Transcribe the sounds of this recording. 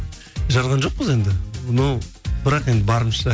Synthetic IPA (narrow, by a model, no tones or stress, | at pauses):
ʒɑɾʁɑnʒo̞q̚pəze̞nd̪ɪnobɪɾɑqend̪ɪbɑɾəmʃə̥ɑ